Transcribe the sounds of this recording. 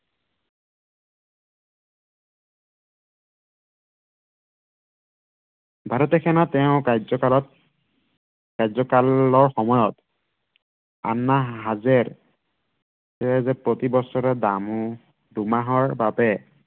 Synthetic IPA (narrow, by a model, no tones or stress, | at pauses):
bʱaɹɔtɛkʰɛnatɛʊ̃kajzɔkalɔt̚ | kajzɔkalɔɹxɔmɔjɔt | a̰nːaɦazɛɹ | tɛɛzɛpɹotibɔsɔɹɛdamu | dumaɦɔɹbabɛ